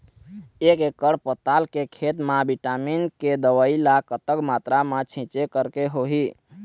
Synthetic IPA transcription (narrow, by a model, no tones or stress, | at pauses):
ekekːəɽpət̪alkekʰet̪mabiʈaminked̪əwəilakət̪əkmat̪ɾamãt͡ʃʰĩt͡ʃekəɾkeɦoɦi